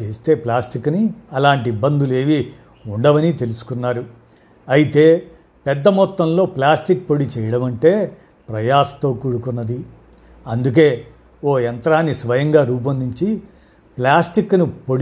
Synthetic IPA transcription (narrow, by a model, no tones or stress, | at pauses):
eːst̪e̞ːplaːsʈikːniɐlaːɳʈ̬ibːɐnd̪ule̞ːʋi | uɳɖɐʋɐnit̪e̞lusu̥kunːaːɾu | ɐjit̪e̞ː | pɛd̪ːɐmɔt̪ːɐmlo̞ːplaːsʈik̚po̞ɽit͡ʃɛjɐɽɐmɐɳʈe̞ː | pɾɐjaːsɐ̥t̪oːkuːɽukunːɐd̪i | ɐnd̪uk̬e̞ː | o̞ːɐnt̪ɐɾaːnːisʋɐjɐŋɡaːɾuːp̬ɐnd̪iɲt͡ʃi | plaːsʈikːnipoɽ